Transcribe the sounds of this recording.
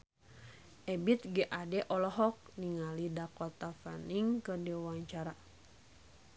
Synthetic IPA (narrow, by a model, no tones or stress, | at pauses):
ʔɛbit̪̚ɡɛʔadɛʔɔlɔɦɔk̚niŋalidakɔt̪afaniŋkədiwaɲt͡ʃaɾa